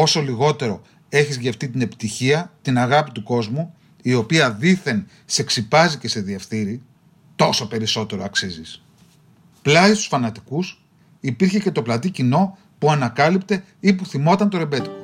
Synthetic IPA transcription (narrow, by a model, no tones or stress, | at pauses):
o̞so̞liɣo̞t̪e̞ɾo̞ | e̞çizʝe̞ft̪it̪ine̞pi̥t̪içiɐt̪inɐɣɐpit̪uko̞zmu | io̞piɐðiθe̞n | se̞ksipɐzice̞se̞ðiefθiɾi | t̪o̞so̞pe̞ɾiso̞t̪e̞ɾoɐksizis | plɐist̪u̥sfɐnɐt̪i̥kus | ipiɾçe̞ce̞t̪o̞plɐt̪icino̞ | puɐnɐkɐlipt̪e̞ | ipuθimo̞t̪ɐnt̪o̞ɾe̞be̞t̪i